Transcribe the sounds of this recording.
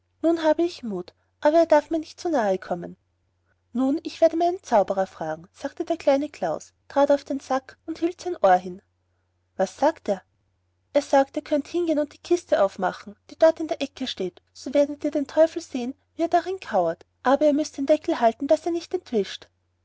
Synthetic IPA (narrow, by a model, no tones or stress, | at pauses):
nuːnɦaːbəɪçmuːt | ʔaːbɐeːɐdaɐfmiːɐnɪçtt͡sonaːəkʰɔmə̰n | nuːnɪçv̥eːɐɾəmaɪnənt͡saʊbəʁɐfʁ̥aːɡŋ̩z̥aːktədeːɐkʰl̥aɪnəkʰl̥aʊs | tʁ̥aːtɑʊfd̥enz̥akʊnthiːltsɛɪnʔoːɐɦɪn | vasːaːkteːɐ | ʔeːɐsaːkteːɐkʰœnthɪnɡeːnʊnt̚d̥iːkʰɪstəʔaʊfma̰χn̩d̥iːd̥ɔɐtɪndeːɐʔɛkʰəʃteːtsoveːɐdət̚diːɐdeːntʰɔʏfl̩zeːən | viːeːɐdaʁɪnkʰaʊɐtʔaːbɐeːɐmʏstd̥eːnd̥ɛkl̩ɦaltn̩d̥aseːɐnɪçtɛntv̥ɪʃt